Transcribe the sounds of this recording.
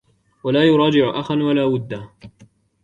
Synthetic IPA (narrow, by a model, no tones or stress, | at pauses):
walaːjʊɾˤɑːd͡ʒɪʕʊʔaxanwalaːwʊd̪ːaː